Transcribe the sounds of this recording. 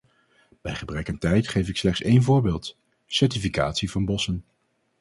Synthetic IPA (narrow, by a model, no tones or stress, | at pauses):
b̥ɛjχəbrɛkəntɛjtχejfɪkslɛχtsejnvʊːɹbɪːlˠt | sɛɹtifika̰ːtsivɑnbɔsən